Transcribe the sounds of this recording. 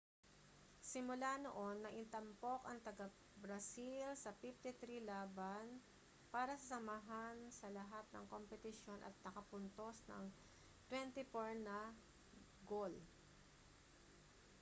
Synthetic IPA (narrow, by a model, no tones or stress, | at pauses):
sɪmʊlano̰ʔo̞nːɐʔɪnt̪ɐmpo̞kɐŋt̪ɐɡɐ | bɾɐsilsɐfift̪ɪt̪ɾilaːban | paːɾɐsɐsɐmaɦansɐlɐɦat̪̚nɐ̰ŋkompɛt̪ɪʃo̞nʔɐ̰t̪̚nɐkɐpʊnt̪o̞snɐ̰ŋ | t̪wɛnt̪ɪfoɹnɐ | ɡol